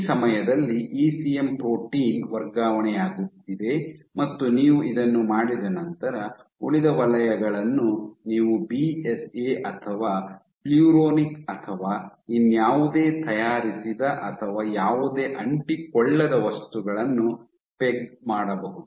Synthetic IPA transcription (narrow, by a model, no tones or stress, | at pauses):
sɐmɐjɐd̪ɐlːiʔiːsijempɾoːʈiːŋɡʋɐɾɡaːʋɐɳɛjaːɡut̪ːid̪e̞mɐt̪ːuniːʋuʔid̪ɐnːumaːɽid̪ɐnɐnt̪ɐɾɐ | uɭid̪ɐʋɐlɐjɐɡɐɭɐnːuniːʋubieseːʔɐt̪ʰɐʋaː | pljuːɾoːnikɐt̪ʰɐʋaːinːjaːʋud̪e̞ːt̪ɐjaːɾisid̪ɐʔɐt̪ʰɐʋaːjaːʋud̪e̞ːʔɐɳʈikɔɭːɐd̪ɐʋɐst̪uɡɐɭɐnːu | peɡmaːɽɐbɐɦud̪u